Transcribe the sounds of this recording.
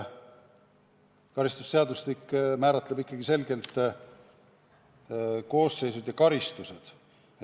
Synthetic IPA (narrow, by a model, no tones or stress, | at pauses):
kɑɾist̪u̥sse̞ɑd̪uslikːmæːɾɑt̪ːlebikːˑɑɡ̥ise̞lɡe̞lt̪ˑ | ko̞ːsːe̞jsud̪jɑkɑɾist̪use̞d̪̥